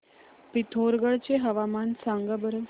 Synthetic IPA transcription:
pit̪ʰoɾɡəɭt͡ɕeɦəʋamansãŋɡəbəɾə

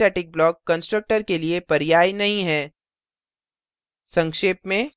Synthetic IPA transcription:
ɛːʈɪk̚blɔːkːɐ̃nsʈɾək̚ʈəɾkeliepɐɾɪjaːjnɐɦĩɦɛː | sɐ̃ŋkʃeːpmẽ

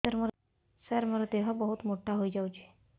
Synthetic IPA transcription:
əɾməɾ | səɾməɾət̪eɦəbəɦut̪moʈʰaɦoid͡ʑawt͡ɕe

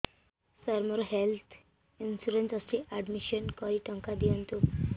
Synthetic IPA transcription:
səɾməɾɦelt̪ʰ | insuɾent͡səsiʔæɖmiɕənkəɾiʈəŋkad̪iənt̪u

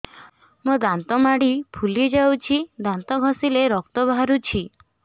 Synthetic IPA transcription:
mud̪ant̪ɔmaɽipʰuled͡ʒawt͡ʃʰid̪ant̪ɔɡʱɔsileɾɔk̚t̪ɔbʱaɾut͡ʃʰi

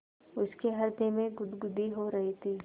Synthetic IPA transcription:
ʊskeɦɐɾd̪emẽɡʊd̪ɡʊd̪ʱiɦoɾɐɦit̪ʰiː

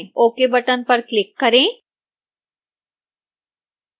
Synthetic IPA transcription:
oːkebɐʈənpɐɾklɪkːɐɾẽː

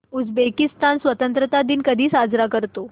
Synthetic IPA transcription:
ud͡zbekist̪ansʋət̪ənt̪ɾət̪ad̪iːnkəd̪ʱiːsad͡zɾakəɾt̪o

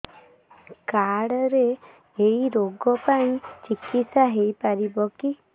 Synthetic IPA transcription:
kaɽɔɾeː | iɾoɡɔpaĩt͡ʃikisaɦejpaɾibɔki

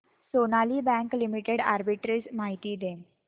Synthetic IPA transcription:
sonaliːbɛ̃ŋklimiʈeɽa̰ɾbiʈɾismaɦit̪iːd̪ẽ

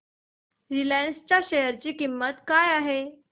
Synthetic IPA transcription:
ɾilãnst͡ɕjaɕejəɾt͡ɕiːkimːət̪kajaɦe

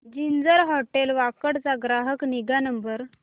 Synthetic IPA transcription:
d͡ʑind͡zəɾɦɔʈelʋakəɽt͡saɡɾaɦəkniɡanəmbəɾ

